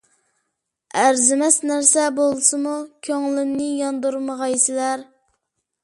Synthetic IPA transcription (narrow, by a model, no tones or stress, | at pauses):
æɾzɪmɛsnæɾsɛbolˠsɨmukʲʰøŋlɪnːɪjɑnd̪uɾməʁɑjsɪlæɾ